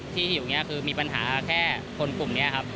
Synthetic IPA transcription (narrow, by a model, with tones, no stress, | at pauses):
t̪ʰiː˥˩˨juː˨˩ŋi˦˥ɐkʰɯː˧miː˧pa˧nɦa̰ː˩˦kʰɛː˥˩ | kʰo˧nklu˨˩mni˦˥ɐ˩kʰa˦˥p̚